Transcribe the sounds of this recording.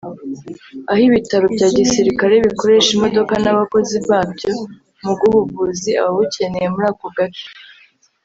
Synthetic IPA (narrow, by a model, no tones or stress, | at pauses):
ahiβitaɾobɟaːɟisiɾikaɾe̞βiko̞ɾe̞ʃimo̞do̞kanaβako̞ziβaːbjo̞ | muɡuhuvuzia̰woβuce̞ne̞jemuɾaːkoɡat͡ʃo̥